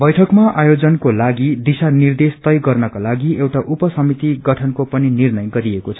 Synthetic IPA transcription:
bʌjʈʰʌkmaajod͡zʌnkolaɡid̪isanird̪est̪ʌjɡʌrnʌkalaɡiewʈaʔupʌsʌmit̪iɡʌʈʰʌnkopʌninirnʌjɡʌɾiekot͡sʰʌ

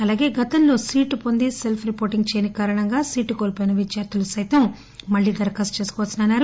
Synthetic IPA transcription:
ɐlaːɡe̞ːɡɐt̪ɐnlo̞ːsiːʈupo̞nd̪ise̞lpʰɾipoːɾʈiŋɡt͡ʃeːnikaːɾɐɳɐŋɡaːsiːʈːukoːlpojinɐʋid͡ʒjaːɾt̪ʰulusɐjt̪ɐmː | ɐɭːiːd̪ɐɾkɐst͡ʃe̞ːsu̥kɔːʋɐsinaɐnːaːɾu

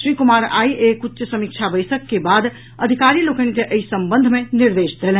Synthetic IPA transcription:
ɾikumaɾa̰iʔekut̪ːt͡ʃəsəmik̚t͡ʃʰabəjsəkːebad̪ | əd̪ʱikaɾilokənkeʔəisəmbənd̪ʱmeniɾd̪esd̪ʱel

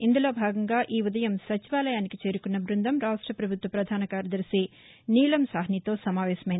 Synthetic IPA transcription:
ind̪ulo̞ːbʱaːɡɐŋɡaːʔiːʋud̪ɐjɐmsɐt͡ʃiʋaːlɐjaːnikit͡ʃe̞ːɾukunːɐbɾund̪ɐmɾaːʂʈɾɐpɾɐbʱut̪ʋɐpɾɐd̪ʱaːnɐkaːɾjɐd̪ɐɾiseː | niːlɐmsaːɦɐnit̪o̞ːsɐmaːʋɛːʃɐmɐjini

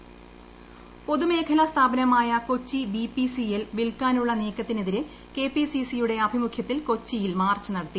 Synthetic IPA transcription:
po̞ðume̞ːkʰɐlɐst̪ʰaːbɐnɐmaːjɐko̞t͡ɕːibipisijelʋilkaːnuɭːɐneːkːɐt̪ːine̞ðiɾɨ | ke̞pisisijuɽe̞ɐbʱimukʰjɐt̪ːilko̞t͡ɕːijilmaːrt͡ɕːunɐɽɐt̪ːi

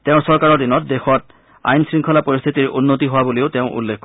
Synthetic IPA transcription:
teʊ̃sɔɹkaɹɔɹdinɔt̚dexɔt̚ | a̰jnsɹiŋkʰɔlapoɹist̪ʰitiɹʔunːotiɦowaboleʊteʊ̃ʔṵlːekʰkɔ

